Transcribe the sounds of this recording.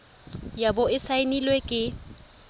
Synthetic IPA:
jabʊɪsainilwekʼɪ

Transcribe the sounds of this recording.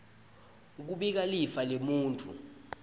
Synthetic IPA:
k̬uɓik̬alifalemuːntʰʼṵ

